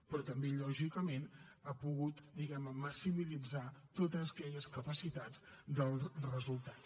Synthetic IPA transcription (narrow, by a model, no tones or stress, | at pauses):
pɾɔt̪əmbeʎɔʒikəmenapuɣut̪d̪iɣɛmnəməsimilid͡zat̪ot̪əzəkɛʎəskəpəsit̪ad͡zd̪əlˠrəzulˠt̪at